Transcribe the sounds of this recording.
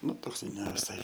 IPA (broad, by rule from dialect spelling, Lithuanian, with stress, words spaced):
ˈnʊ ˈtoːks ɪ nʲɛʋʲɪˈsɐɪ